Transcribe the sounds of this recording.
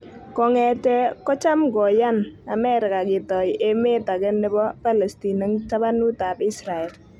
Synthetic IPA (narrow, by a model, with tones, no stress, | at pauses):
kɔ˨ŋɛ˨tɛ˦kɔ˦t͡ʃa˦mɡɔ˨ja˦na˨mɛ˦ɾɪ˨ka˨kɪ˨tɔ˨jʔe˦me˦ta˨kɛ˦ndɪ˦bɔ˦pa˦le˨sti˨na˦ŋt͡ʃa˦ba˦nu˦ta˨bi˦sɾa˨ɛ˨l